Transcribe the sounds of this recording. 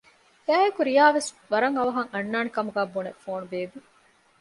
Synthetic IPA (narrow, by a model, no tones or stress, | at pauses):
æːekuɾijaːʋes | ʋɐɾɐŋɐʋɐɦɐŋɐnːaːnikɐmuɡæːbuːnefoːnubeːbi